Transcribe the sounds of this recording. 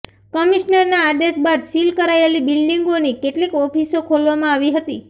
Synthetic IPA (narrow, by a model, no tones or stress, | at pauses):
kəmiʃnəɾnaːd̪eʃbad̪silkəɾaelibilɖiŋɡonikeʈlikɔpʰisokʰolʋamãaʋiɦət̪i